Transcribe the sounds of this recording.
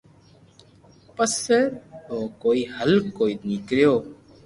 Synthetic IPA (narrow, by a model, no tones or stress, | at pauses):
pəseɾoːkoːiːhəlkːoːiːnikɾjoː